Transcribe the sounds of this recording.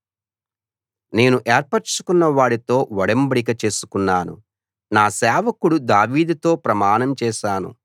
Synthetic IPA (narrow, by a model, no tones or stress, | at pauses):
ne̞ːnuʔɛːɾpɐɾt͡ʃu̥kunːɐʋaːɽit̪o̞ːʋɐɽɐmbɐɽik̬ɐt͡ʃe̞ːsu̥kunːaːnṵ | naːsɛːʋɐkuɽud̪aːʋiːd̪ut̪o̞ːpɾɐmaːnɐmt͡ʃɛːʃaːnṵ